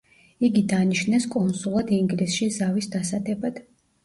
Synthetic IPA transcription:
iɡid̪aniʃnɛskʼɔnsulˠad̪iŋɡlisʃizavisd̪asad̪ɛbad̪̥

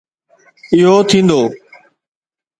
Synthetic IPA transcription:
ɪɦot̪ʰĩːnd̪oː

